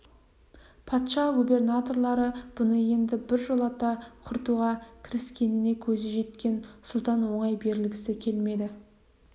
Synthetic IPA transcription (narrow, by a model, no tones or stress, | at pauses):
pʰɑt̪ʃɑɡube̞rnat̪o̞rlˠɑɾəb̥ʊnəje̞nd̪ɪbɪɾʒolˠɑt̪ɑqʰʊɾt̪uʁɑkʲʰɪɾɪskʲe̞nɪne̞kʲʰɵzeʒe̞t̪kʲe̞nsʊlˠt̪ɑnwo̞ɴɑjbe̞ɾɪlɡʲɪsɪkʲʰe̞lme̞d̪ɪ